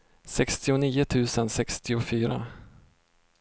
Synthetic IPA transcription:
sɛkst̪ɪʊniːʊt̪ʰʉ̟ːsənsɛkst̪ɪʊfyːɾa̰

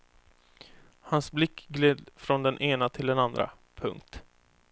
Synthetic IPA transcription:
hansblɪkːɡleːd̪fɾɔnd̪ɛnʔeːnat̪ʰɪld̪ɛnand̪ɾa̰ | pʰɵ̰ŋk̚t̪

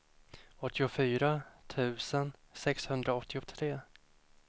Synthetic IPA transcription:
ɔt̪ʰːɪʊfyːɾat̪ʰʉ̟ːsənsɛkshɵnd̪ɾaɔt̪ʰːɪʊt̪ʰɾeː

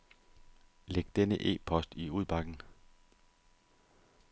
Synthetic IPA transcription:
leɡ̥̚d̥enəʔe̝̰ːpʰɒ̽sd̥iuð̞ˠb̥ɑ̈ɡ̥n̩

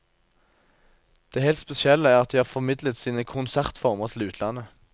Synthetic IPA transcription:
d̪̥eːhɛlt̪spɛsɪɛləæːʁɑt̪̚d̪iːhɑːfɔmɪd̪lət̪siːnəkʰʊnsæʁt̪fɔʁməʁt̪ʰl̩ʉːt̪ʰlɑnə

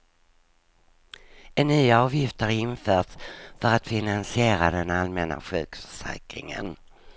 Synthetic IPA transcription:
ɛnːyːaɑːvjɪft̪əɾɪnfœːʈsfœɾat̪fɪnansɪeːɾad̪ɛnalmɛna̰ɧʉ̟ːkfœ̥ʂɛ̰ːkɾɪ̰ŋə̰n

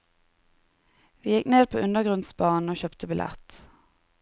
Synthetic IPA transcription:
ʋiːjɪkneːd̪̚pʰo̰ːʔʉnəɡʁʊnsbɑːn̩oːçœpt̪ʰəbɪlʔɛ̰t̪

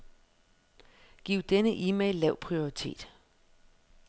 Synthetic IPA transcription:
ɡ̥iːʊd̥enəʔiːmeɪlːɛʊ̰pʰʁio̝ʁit͡sʰe̝̰ːd̥

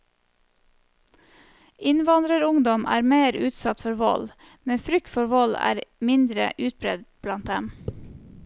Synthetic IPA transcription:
ɪnʋɑnd̪ɾəɾʊŋd̪ɔmʔæ̰ːɾmeːɾʉːt̪sɑt̪fɔɾʋɔ̰l | mɛfɾʏk̚t̪fɔɾʋɔlæ̰ːɾmɪnd̪ɾə̰ʔʉːt̪̚bɾɛd̪b̥lɑnt̪̚d̪ɛm

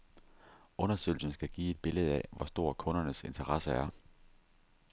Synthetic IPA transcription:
ɔ̽nɐsø̰ɪl̩sn̩sɡ̥æɡ̥ḭːe̝d̥̚b̥e̝leð̞̩ˠæ̰ʋɒsd̥o̝ɐ̰kʰɔ̽nɐnəse̝nt͡sʰɐʁɑ̈səæɐ

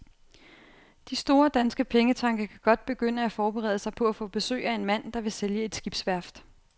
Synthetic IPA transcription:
d̥isd̥o̝ːɐd̥ænsɡ̥əpʰeŋət͡sʰɑ̈ŋɡ̥ɐkʰæɡ̥ɒ̽d̥̚b̥e̝ɡ̥øn̰əæfɒːb̥eʁɛ̰ðˠsɑ̈ɪpʰɒ̽æfɔ̰̽ːb̥e̝sø̰ːæe̝nmæn̰d̥ɑ̈ʋe̝seljəe̝d̥sɡ̥ib̥sʋæɐ̰fd̥

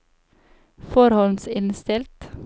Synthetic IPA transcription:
fɔɾhɔlsɪnst̪ɪlt̪

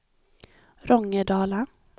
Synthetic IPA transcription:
ɾɔŋːəɖɑːla

